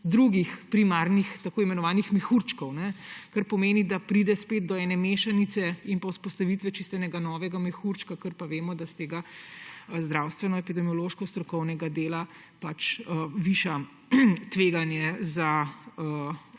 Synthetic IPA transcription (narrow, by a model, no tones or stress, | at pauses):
d̪ɾuɡixpɾimaɾnixt̪akoːimɛnɔʋaːnixmɛxuɾt͡ʃkɔwnɛkaɾpɔmeːnid̪apɾid̪ɛspeːd̪̚d̪ɔɛːnɛmeːʃanit̪sɛinpɐwspɔst̪aʋit̪ʋɛt͡ʃist̪ɛnɛɡanɔːʋɛɡamɛxuɾt͡ʃkakəɾpaʋeːmɔd̪ast̪eːɡa | zd̪ɾawst̪ʋɛnɔepid̪ɛmiɔloʃkɔst̪ɾɔkɔwnɛɡad̪eːla | pat͡ʃəʋiʃa | t̪ʋeɡanjɛzaə